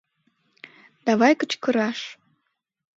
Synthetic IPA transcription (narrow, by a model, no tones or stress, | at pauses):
d̪̥ɑβɑjkət͡ɕkəɾɑʃ